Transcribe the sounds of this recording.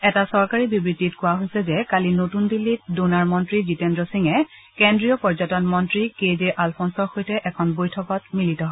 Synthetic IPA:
ɛtasɔɹkaɹibibɹitːitkʊwaɦojsɛzɛkalinotunbilːit̚dunaɹmɔntɹizitendɹɔsiŋɛ | kendɹijɔpɔɹzɔtɔnmɔntɹikezɛʔalpʰɔnsɔɹxojtɛʔɛkʰɔnbojtʰɔkɔtmilitɔɦɔ

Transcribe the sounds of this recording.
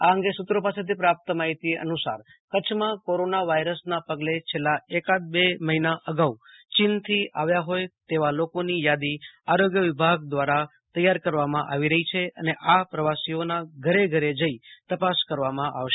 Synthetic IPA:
aəŋɡesut̪ɾopaset̪ʰipɾap̚t̪əmaɦit̪ieʔə̰nusa̰ɾ | kət͡ʃʰmãkoɾonaʋaiɾəsnapəɡlet͡ʃʰelːaekat̪̚beməɦinaʔəɡau | t͡ʃɪnt̪ʰiʔaʋjaɦojt̪eʋalokonijad̪iaɾoɡjəʋɪbʱaɡ̚d̪ʋaɾa | t̪əjaɾkəɾʋamãʔaʋiɾəɦit͡ʃʰeə̰neʔapɾəʋasionaɡʱəɾeɡʱəɾed͡ʒəit̪əpaskəɾʋamãʔa̰ʋʃe

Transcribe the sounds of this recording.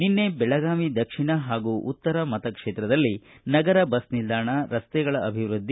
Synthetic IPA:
ninːe̞bɛɭɐɡaːmid̪ɐkʂiɳɐɦaːɡuʔut̪ːɐɾɐmɐt̪ɐkʂeːt̪ɾɐd̪ɐlːinɐɡɐɾɐbɐsnild̪ʱaːɳɐɾɐst̪ɛɡɐɭɐʔɐbʱiʋɾud̪ʱːi

